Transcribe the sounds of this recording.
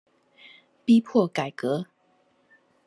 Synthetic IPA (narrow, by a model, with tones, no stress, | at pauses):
pi˦pʰwɔ˥˨ka˨˩ɪkɤ˨˦